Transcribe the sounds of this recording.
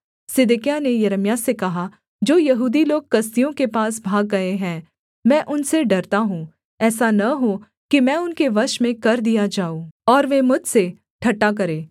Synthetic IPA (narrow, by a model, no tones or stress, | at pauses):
sɪd̪ɪkijanejɐɾəmijasekɐɦa | d͡ʒoːjɐɦuːd̪iloːɡ̚kɐs̬t̪ijõkepaːs̬bʱaːɡːɐeɦɛ̃ː | mɛ̃ːʔʊnseɖɐɾt̪aɦũː | ɛːsanɐɦo | kimɛ̃ːʊnkeʋɐɾʃmẽkɐɾd̪ijad͡ʒaːoɔːɾʋemʊd͡ʒʱse | ʈʰɐʈːak̬ɐɾẽː